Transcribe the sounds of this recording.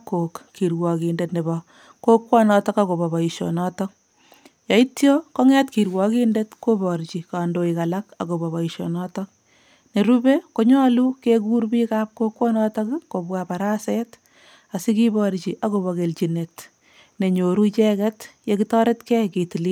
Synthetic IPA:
kːo˨kːi˨ɾwɔ˨ki˨ndetne˨bɔ | ko˦kwɔ˦nɔtɔ˦kako˨bɔ˨bɔ˨iʃo̰nɔtɔk̚ | jɑ˨i˦tjo˦ko˦ŋɛ˦tki˨ɾwɔ˨ki˦ndetko˦bɔ˨ɾt͡ʃika˨ndo˨ika˨laka̰˨ko˨bɔ˨βa˨i˨ʃo̰˨nɔtɔk̚ | ne˨ɾu˦bekoɲɔ˦lukeku˦rpiːkap̚ko˦kwɔ˦nɔtɔkko˨bwapa˨ɾa˦sɛt | a˨si˦kibɔɾt͡ʃiʔa˨ko˨bɔ˨ke˨lt͡ʃi˨net | ne˨ɲoɾu˦t͡ʃɛkɛtjekitɔ˦ɾe˦tkɛ˦ki˨ti˨li

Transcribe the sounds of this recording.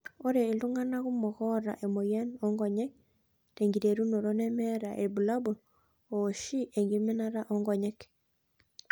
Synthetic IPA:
o˦ɾe˨i˨luŋa˦naɣu˦mɔ˨ɣɔ˦ɾa̰˨ʔe˨mo˨ja˦nɔŋɡɔ˨ɲɛ˦k̚ | te˨ŋɡi˨ɾe˨ɾu˦no˨ɾo˦nɛ˦mɛɾa˨ʔe˨bu˨labu˨n | o˨ʃi˦ʔe˨ŋɡime˦naɾa˦ʔɔŋɡɔ˨ɲɛ˦k

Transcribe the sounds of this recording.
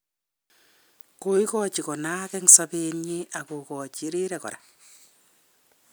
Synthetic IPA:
ko˨i˦kɔt͡ʃi˨kɔ˨na˦kɛ˦ŋsa˦pi˦ɲi˦a˨ko˨kɔ˨t͡ʃi˨ɾi˦ɾɛ˨kɔ̰˨ɾa̰˨

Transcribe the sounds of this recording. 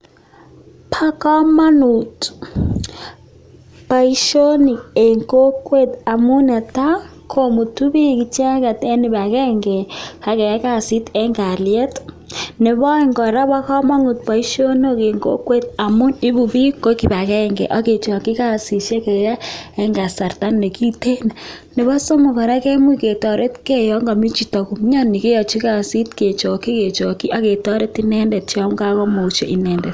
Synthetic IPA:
pʰa˦ka˦ma˦nu˨t | pa˨i˦ʃo˦ni˨ɛ˨ŋko˦kwe˦˨ta˨mu˦na˨ta˦ | kʰo˦mu˨tu˦βi˦ki˨t͡ʃa˦ka˨tɛ˦ni˨βa˨ɣɛː˦ŋɡɛ˨ka˨kɛ˨ja˦ka˦˨si˦tɛ˦ŋɡa˨li˨ɛ˦t | nɛ˨βɔ˦i˦ŋɡɔ˨ɾa˦βa˦ka˦ma˦nu˨t̪̚pa˨i˦ʃo˦no˦ke˨ŋɡo̰˦kwe˦˨t̪a˨mu˦ni˦bu˨bi˦ko˦ki˨ba˨kɛ˦ŋɡɛ̰˨ʔa˦ke˨t͡ʃɔ˨ki˦ka˦˨si˨ʃe˦kɛ˨ja˦ɛ˦ŋɡa˨sa˨rta˦nːe˨ki˦te˦na˨ne˨βɔ˦so˦mu˨kɔ˨ɾa˦ke˦mu˦ke˨tɔ˨ɾe˦tke˦jɔ˨˦ŋɡa˨mi˦t͡ʃi˨tɔ˨ku˨m˦ɲa˦nːi˨ke˦jɔ˨t͡ʃi˦ka˨si˦tke˨t͡ʃɔ˨ki˦ke˨t͡ʃɔ˨ki˦ʔa˦ke˨tɔ˦ɾe˦ti˦nɛ˦ndɛ˨t̚t͡ʃa˦m˦ka˦kɔ˦mo˨u˦ʃḛ˦ʔi˦nɛ˨ndɛ˨t

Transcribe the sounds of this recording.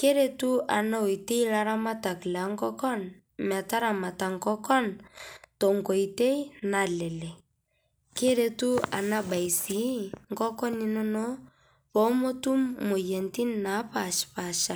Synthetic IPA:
ke˦ɾe˨tu˦ʔa̰˨na˦o˨i˨te˦i˦la˦ɾa˦ma˦ta˨kla˨˦ŋkɔ˦kɔ˦n | m˨a˨ta˦ɾa˨ma˨ta˨ŋkɔ˦kɔ˦ntɔ˨ŋɡɔ˨i˨te˦i˦na˨lɛ˨lɛ˨ | ke˦ɾe˨tu˦a̰˨na˦ɓa˨i˨si˨˦ŋɡɔ˦kɔ˦ni˦nɔ˦nɔ˦ | pɔ˨˦mo˦tu˦mːo˨je˨nti˦nːa˨˦pa˨ʃpa˨ʃa˨

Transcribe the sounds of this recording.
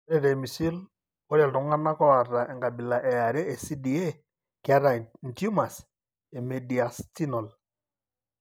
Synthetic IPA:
ɾɛ˦˨ɾe˨mi˨si˦l | ɔ˦ɾɛ˨ltɔ˨ŋa˦na˦kɔ˦a˨ra˨ʔɛ˨ŋɡa˨bi˨la˨ʔɛ˨ja˨ɾɛ˦e˨si˦di˨e˦ | ka˦ɾa˨n˨tu˦ma˨s | e˨me˨di˨a˨sti˦nɔ˨l

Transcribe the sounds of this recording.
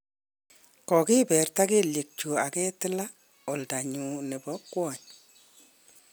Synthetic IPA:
kɔ˨ki˦pɛ˨rta˦ke˦lje˨k̚t͡ʃu˨a˨kɛ˦tɪ˦la˦ | o˨lta˨ɲu˧ne˨bɔ˦kwɔ˨ɲ

